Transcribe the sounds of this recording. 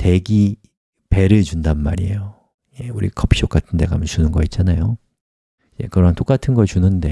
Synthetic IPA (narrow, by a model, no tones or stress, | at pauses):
te̞ɡi | pe̞ɾɯɭt͡ɕundanmaɾie̞jo | jeuɾḭkʰʌpʰi̥ok͈atʰɯnde̞ɡamjʌnt͡ɕunɯnɡʌit̚t͡ɕ͈anajo | id͡ʑe̞̰kɯɾʌɦant͈ok͈atʰɯnɡʌɭt͡ɕunɯnde̞